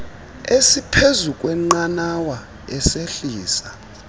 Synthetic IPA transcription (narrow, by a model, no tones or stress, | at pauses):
esipʰezukʼwɛŋ͡ǃanawa | ɛseɬiːsa